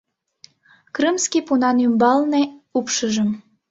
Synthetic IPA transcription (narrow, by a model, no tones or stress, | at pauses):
krɨmskipunɑnymbɑlneupʃəʒəm